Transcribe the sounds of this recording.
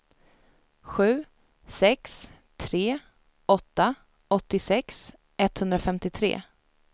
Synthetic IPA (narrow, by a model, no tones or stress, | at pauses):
ɧʉ̟ː | sɛks | t̪ʰɾeː | ɔt̪ːa | ɔt̪ːɪsɛks | ɛt̪ːhɵnd̪ɾafɛmt̪ɪt̪ʰɾḛː